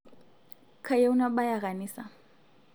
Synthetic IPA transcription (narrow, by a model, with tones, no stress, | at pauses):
kʰa˨je˦u˦na˦ɓa˦ja˨ɣa˨niːsa˨